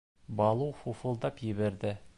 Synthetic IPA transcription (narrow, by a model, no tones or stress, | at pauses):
bɑlˠuwfufulˠd̪ɑpjɘβeɾd̪ɪ